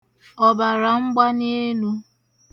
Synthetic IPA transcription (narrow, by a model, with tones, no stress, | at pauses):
ɔ˨ba˨ɾa˨ŋ͡m̩˦ɡ͡ba˦ne˦nu˦